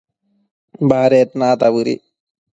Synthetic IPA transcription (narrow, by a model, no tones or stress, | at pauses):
baɦɾeːt̪naːt̪abɯɾḭ